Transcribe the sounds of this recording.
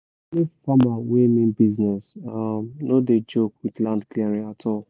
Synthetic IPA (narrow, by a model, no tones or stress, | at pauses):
nifamawemĩnbiznɛsamnoded͡ʒokwidlãndkliaɾiatʰɔl